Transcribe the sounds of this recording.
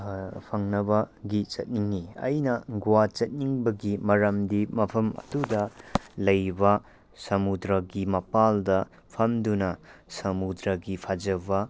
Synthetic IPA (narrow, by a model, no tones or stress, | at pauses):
pʰɐŋnɐbɐɡit͡ʃɐt̚niŋiɐ̰jnɐɡuwat͡ʃɐt̚niŋbɐɡimɐɾɐmdimɐpʰɐmɐ̰tudɐlɐjbɐ | sɐmudɾɐɡimɐpaldɐ | pʰɐmdunɐsɐmudɾɐɡipʰad͡ʒɐbɐ